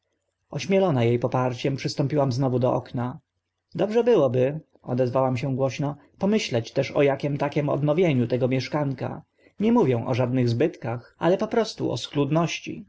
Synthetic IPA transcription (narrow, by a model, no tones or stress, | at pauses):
ɔɕmʲjɛlɔnajejpɔpaɾt͡ɕɛmpʂɘst̪ɔmpʲiwamznɔvud̪ɔʔɔ̰kna | d̪ɔbʐɛbɘwɔbɘ | ɔ̰d̪ɛzvawamɕɛ̃ɡwɔɕnɔ | pɔmɘɕlɛt͡ɕt̪ɛʂɔ̰jakʲɛmt̪akʲɛmɔ̰d̪nɔvʲjeɲut̪ɛɡɔmʲjɛʂkaŋka̰ | ɲɛmuvʲjɛ̃w̃ʔɔ̰ʐad̪nɘɣzbɘt̪kaxa̰lɛpɔpɾɔst̪ṵʔɔ̰sklud̪nɔɕt͡ɕḭ